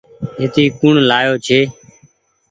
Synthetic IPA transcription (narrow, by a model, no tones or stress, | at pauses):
ɦeːt̪iːkuɳlaːjoːt͡ʃʰeː